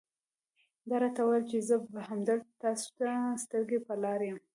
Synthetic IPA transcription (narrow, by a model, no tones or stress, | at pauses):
d̪ɑɾɑt̪awajlt͡ʃezəəhamd̪alt̪ɑso̥t̪ast̪əɾɡepəlɑɾjəm